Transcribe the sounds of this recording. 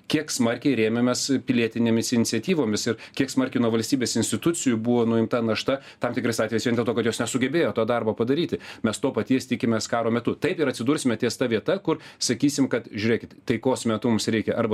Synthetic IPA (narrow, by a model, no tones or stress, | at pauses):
kʲiɛksmɐrʲkʲɛɪɾʲeːmʲemʲɛspʲɪlʲiɛt̪ʲɪnʲeːmʲɪsɪnʲɪt̪sʲɛt̪ʲiːʋoːmʲɪsɪɾkʲiɛksmɐɾʲkʲɛɪnuɔʋɐlʲsʲt̪ʲiːbʲeːsɪnʲsʲtʲɪt̪ʊt̪t͡s̪ʲɪjʊbʊʋoːnʊɪmt̪ɐnɐʃt̪ɐ | t̪ɐmt̪ʲɪkɾɐɪsɑːt̪ʲʋʲeɛjsʋʲɛnd̪ʲeɛlˠt̪oːkɐt̪joːsnʲɛsʊɡʲɛbʲeːjoːt̪oːd̪ɐrboːpɐd̪ɐɾʲiːt̪ʲɪmʲɛst̪oːpɐt̪ʲiɛst̪ʲɪkʲɪmʲeːskɑːɾoːmʲɛt̪ʊt̪ɐɪpɪɾɐt̪ʲsʲɪd̪uːɾʲsʲɪmʲɛt̪ʲeɛst̪ɐʋʲiɛt̪ɐkʊrsɐkʲiːsʲɪmkɐt̪ʒʲʊːɾʲeɛkʲɪt̪t̪ɐɪkoːsmʲɛt̪ʊmʊmsɾʲɛɪkʲɛʔɐɾbɐ